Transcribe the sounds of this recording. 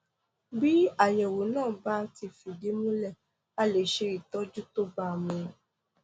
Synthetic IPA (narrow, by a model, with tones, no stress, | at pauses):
bi˦a˦˨jɛ̃˨wo˨˦nãː˦˨ba˦ti˧fu˨de˨˦mũ˦lɛ˦˨ | a˦˨le˨ʃe˧ɾi˨tɔ˦d͡ʒu˦to˦ba˧˨mũ˧